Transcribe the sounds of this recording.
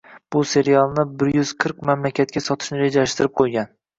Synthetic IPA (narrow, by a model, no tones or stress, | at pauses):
b̥ʊse̞ɾijalˠnɪbɪɾjyzqʰɨɾqmamlakʲʰat̪̚kʲasɒt̪ʰɪ̥ʃnɪɾed͡ʒalaʃt̪ɪɾɪp̚qʰojɡʲan